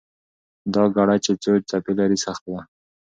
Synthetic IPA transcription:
d̪ɑɡaɽat͡ʃet͡sot͡ʃ̚t͡sapelaɾisaxt̪̚wa

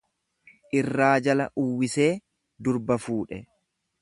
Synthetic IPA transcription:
ʔɪrːaːd͡ʒɐlɐʔʊwːɪse̞ː | d̪ʊɾbɐfuːᶑɛ

